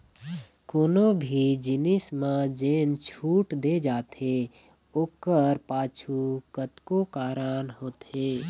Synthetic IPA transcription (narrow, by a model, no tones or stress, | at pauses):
koːnobʱid͡ʒɪnɪsmãd͡ʒeːnt͡ʃʰuːʈd̪ed͡ʒaːt̪e | oːkəɾpaːt͡ʃʰukət̪kokaːɾanɦoːt̪ɦeː